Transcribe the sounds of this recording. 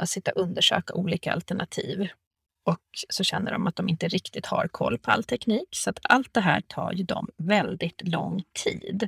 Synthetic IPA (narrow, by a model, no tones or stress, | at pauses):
at̪sɪt̪ːaʔɵnd̪əʂøːkaʔuːliːkaa̰lt̪ɛɳat̪ʰiːv | ɔksɔɕɛnːəɖɔmʔat̪̚d̪ɔmɪnt̪əɾɪkt̪ɪt̪haɾkʰɔlːpʰɔalːt̪ʰɛkniːksɔat̪alt̪̚d̪ɛɦæːʈʰɑːɾjɵd̪ɔ̰mvɛld̪ɪt̪lɔŋːt̪ʰiːd̪